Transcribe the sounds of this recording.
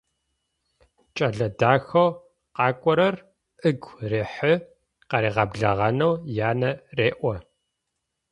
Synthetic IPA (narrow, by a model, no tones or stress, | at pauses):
t͡ʃʼɐɮɐdaːxɐw | qɑːkʷʼɔɾɐr | ʔɨɡʷreːħɨ | qɐɾeːʁɐbɮɐʁɐnɐwjaːnɐreːʔʷɔ